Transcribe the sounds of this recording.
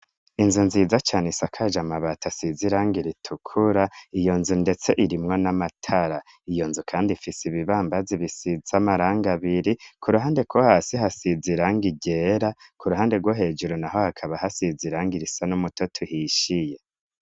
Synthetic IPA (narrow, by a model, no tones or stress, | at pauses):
inzunziːzat͡ʃaːnesakʰad͡ʒamaβatʰasiziɾaːŋɡiɾitʰukʰuɾaijo̞nzunde̞t͡se̞ʔiɾimŋo̞namatʰaɾa | ijo̞nzukʰaːndifisiβiβaːmbaziβisizamaɾaːŋɡaβiɾikʰuɾuɦaːnde̞kohasiɦasiziɾaːŋɡiɟeːɾakuɾuɦaːnde̞ɡwoɦe̞ːd͡ʒuɾunaɦo̞hakʰaβahasiziɾaːŋɡiɾisanumutotʰuhiʃije̞